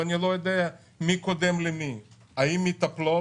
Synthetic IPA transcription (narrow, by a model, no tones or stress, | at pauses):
anʲjɛlojed̪ɛja | mikod̪ɛmlimi | aimit̪aplo